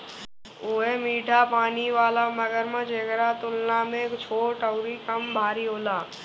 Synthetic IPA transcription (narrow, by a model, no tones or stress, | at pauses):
oːɦemiːʈapaːniʋaːlamɐɡəɾmə̃d͡ʒeːɡɾat̪ʊlnamẽt͡ʃʰoːʈəʊɾikɐmbʱaːɾiɦoːlaː